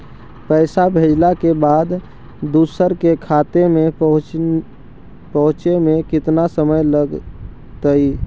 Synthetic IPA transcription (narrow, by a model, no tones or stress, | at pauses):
pəɪsabʱed͡ʒlakebaːd̪ | d̪usəɾkekʰat̪emeɦ | pəɦʊ̃t͡ʃemẽkɪt̪nasəməjləɡ | t̪əi